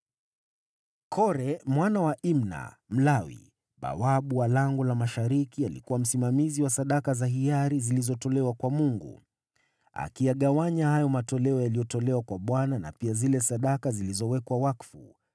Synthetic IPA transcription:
kʰɔɾɛmwanawaʔimna̰ | m̩lawḭ | ɓa̰waɓuwalaŋɡɔlamaʃaɾikialikuwam̩simamiziwasaɗakazaɦijaɾizilizɔtɔlɛwakwamuŋɡṵ | a̰kijaɠawaɲahajɔmatɔlɛɔjalijɔtɔlɛwakwaɓwanana̰piazilɛsaɗakazilizɔwɛkwawakfṵ

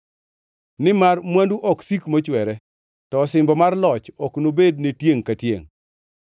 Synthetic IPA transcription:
nɪmarmwanduʔɔksikmot͡ʃwɛɾɛ | tɔːsɪmbɔmarlɔt͡ʃɔknobed̚netjeŋkatjḛŋ

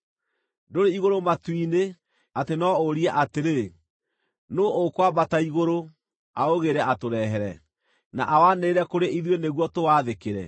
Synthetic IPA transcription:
doɾeiɣoɾomatwine | atenɔoɾiɛʔateɾe | nookwabataiɣoɾo | aoɣeɾɛʔatoɾɛɦɛɾɛ | naʔawaneːɾɛkoɾeiðweneɣwɔtowaːðekeɾɛ̰

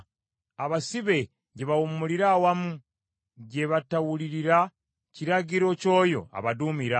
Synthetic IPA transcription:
aβasiβe̞ | ɟeβawumuliɾawamu | ɟe̞βatawuliɾiɾa | ciɾaɟiɾo̞co̞ːjo̞̰a̰βadumiɾa

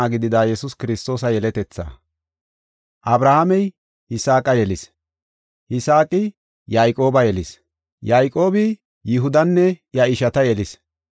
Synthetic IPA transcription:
aɡɪd̪ɪd̪aːjɛsʊskɪɾɪst̪o̞ːsɐjɛlɛt̪ɛt͡sːa̰ː | ʔɐbɾɐhamɛj | hɪsaːkʼɐjɛlɪs | hɪsaːkʼɪ | jajkʼo̞ːbɐjɛlɪs | jaːjkʼo̞ːbɪ | jɪɦʊd̪ɐnːɛjɐɪʃɐt̪ɐjɛlɪs

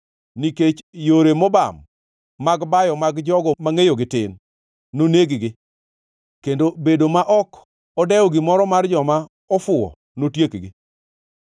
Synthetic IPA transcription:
niket͡ʃjoɾemɔba̰mː | aɡbajɔmaɡd͡ʒɔɡɔmaŋejoɡɪtɪ̰nː | oneɡɡɪ | kendobedomaʔɔk | ɔdɛɔɡɪmɔɾɔmard͡ʒɔma | ɔfʊɔ̰ | notjekɡɪ

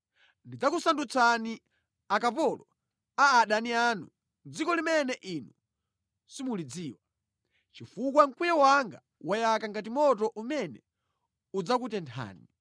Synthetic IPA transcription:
ndid͡zakusandut͡sani | akapɔlɔ | aːɗanianṵ | nd͡zikɔlimɛnɛʔinu | simulid͡ziːwa | t͡ʃifuk̬waŋkwijawaŋɡa | wajakaŋɡatimɔt̬ɔʔumɛnɛ | ud͡zak̬utɛntʰa̰ːni

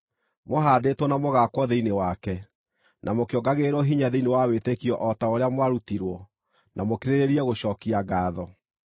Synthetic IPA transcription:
moɦaːdetwɔnamoɣakwɔðeinewakɛ | nʔamokeɔɡaɣeɾɔɦiɲaðeinewawetekiɔʔɔtaoɾeamwaɾutiɾwɔ | nʔamokeɾeɾeɾiɛɣoɕɔːkiaɡaːðɔ

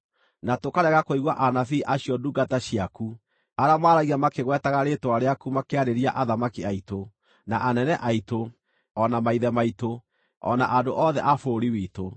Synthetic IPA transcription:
natokaɾɛɣakoiɣwaʔanafiʔaɕiɔduɡataɕiaku | aɾamaːɾaɣiɣamakeɣwɛtaɣaɾetwaɾeakumakeaɾeɾiaʔaðamakiaito | naʔanɛnɛʔaito | ɔnamaiðɛmaito | ɔ̰naʔadoʔɔðɛ̰ʔafoːɾiwiːto

